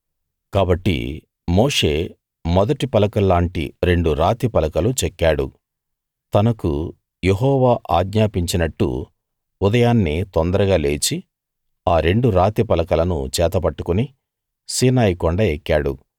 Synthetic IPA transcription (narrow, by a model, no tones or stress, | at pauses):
kaːbɐʈːḭ | moːʂe̞ː | mɔd̪ɐʈipɐlɐkɐlːaːɳʈḭɾe̞ɳɖuɾaːt̪ipɐlɐkɐlut͡ʃɛkːaːɽṵ | t̪ɐnɐkṵ | jeɦɔːʋaːʔaːɡɲaːpiɲt͡ʃinɐʈːṵ | ud̪ɐjaːnːit̪ɔnd̪ɐɾɐɡaːle̞ːt͡ʃi | aːɾe̞ɳɖuɾaːt̪ipɐlɐkɐlɐnṵt͡ʃɛːt̪ɐpɐʈːukuni | siːnaːjikɔɳɖɐekːaːɽṵ